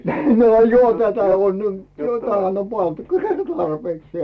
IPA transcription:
no johɑ̥ tætæ on jo tæhæn om pɑntu̥kl tɑrpeːksĭeˑ

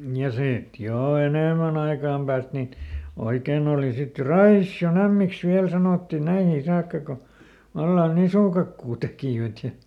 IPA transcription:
jɑ siˑt joˑ eneˑmæn ɑikɑˑm pæːst nin oikeˑn oːli sit jo rɑisːion æmːiks ʋiæl sɑnoˑtːiˑ næihiː sɑːkːɑ ko ʋɑlːɑn nisuˑkɑkːuː tekiˑʋæt jɑ

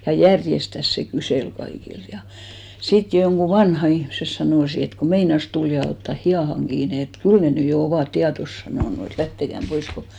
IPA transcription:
jɑ jærjestæs se kyseˑl kɑikilt jɑ sit joŋɡ̊u ʋɑnhɑ ihmses sɑnoˑsi et ku meinɑs tul jɑ otːɑ hij̆ɑˑhɑŋ ɡ̊iːne et kyl ne ny jo oʋɑˑt tiɑtos sɑnoˑnu et læhtekæm pois ko

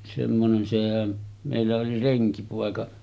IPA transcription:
semːonen sehæn meˑilːæ oli reŋkipoˑekɑ

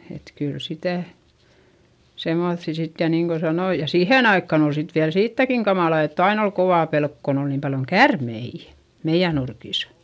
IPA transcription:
et kyl sitæˑ semoθːi sit jɑ niːŋ ko sɑnoi jɑ siːheˑn ɑikːɑn ol sit ʋiæl siːtːækiŋ kɑmɑˑlɑ etː ɑin ol koʋɑˑ pelk kon ol niːm pɑljoŋ kærmeijæ̥ meij̆æ nurkiˑs

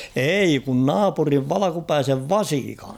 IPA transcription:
ei kun nɑːpuriʋ ʋɑlɑkupæiseʋ ʋɑsikɑn̥̞

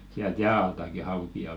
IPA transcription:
siælt jæː ɑltɑki hɑukiɑ

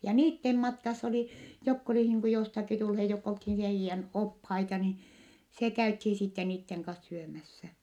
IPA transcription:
jɑ niːtːem mɑtkɑsː oli jokː oli niːŋ ku jostɑki tulhe jokː olthin heijːæn ophɑitɑ ni se kæythi sitːe niːtːeŋ kɑs syømæsːæ

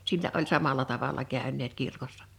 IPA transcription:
silːæ ʔolʲ sɑmɑlɑ tɑʋɑlɑ kæˑønˑeːt kirkosːɑ̥

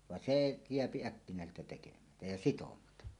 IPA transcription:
ʋɑn seː jeæpi ækːinæˑeseltæ tekemætæ jɑ sitomɑtɑ

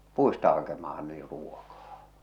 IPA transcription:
puistɑ hɑkemɑhɑ niː ruokɑː

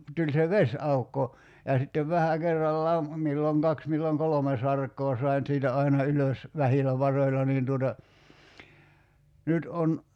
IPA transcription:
tulʲ se ʋesɑukːo jɑ sitːeʋ ʋæhæ kerːɑlːɑːm milːoŋ kɑks milːoŋ kolome sɑrkˑoː sɑi̞n siːtæ ɑinɑ yløs ʋæhilæ ʋɑroilɑ niːn tuotɑ nyt on

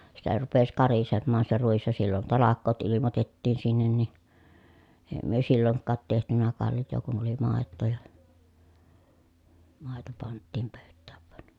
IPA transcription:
sitæ rupes kɑrisemːɑːn se ruis jɑ silːon tɑlɑkˑoːt ilimotetːiːn sinːen ni eˑi̯ myø silːoŋkːɑːt tehtynæ kɑljˑoː kun oli mɑˑetːoː jɑ mɑˑeto pɑntːiːm pøˑytːæːʋ ʋŭɑn

